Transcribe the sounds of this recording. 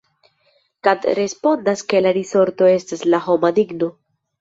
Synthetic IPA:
kad̪ɾe̞spo̞ndaske̞laɾiso̞ɾto̞e̞staslaɦo̞madiɡno

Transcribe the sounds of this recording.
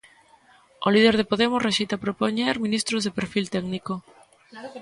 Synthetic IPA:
olið̞eɾð̞epoðemʊsreʃejt̪apɾopoɲeɾmĩnist̪ɾozðepeɾfilt̪ɛɡniko

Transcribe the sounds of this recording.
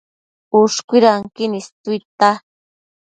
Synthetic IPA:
ʊʃkʷiɾaŋkinist̪ut̪a

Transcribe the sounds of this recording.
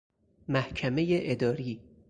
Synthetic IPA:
mæhkʰæme̞jeʔed̪ɒːɾiː

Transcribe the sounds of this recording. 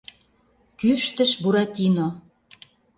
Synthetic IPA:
kyʃt̪ə̆ʃbuɾɑt̪ʲino

